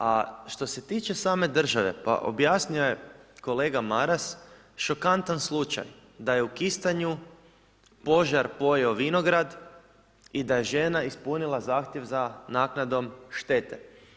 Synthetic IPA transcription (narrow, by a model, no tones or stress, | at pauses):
aʃt̪o̞set̪iːt͡ʃe̞saːme̞d̪r̩ʒaʋe̞pa̰ʔo̰bjasnuojeko̞le̞ːɡamaɾas | ʃo̞kant̪anslˠut͡ʃa̰j | d̪aje̞ukist̪aɲu | po̞ʒaɾpo̞jeoʋino̞ɡɾad̪ | id̪aje̞ʒenaispunilˠazaːxt̪jeʋzanaːknad̪o̞mʃt̪e̞t̪e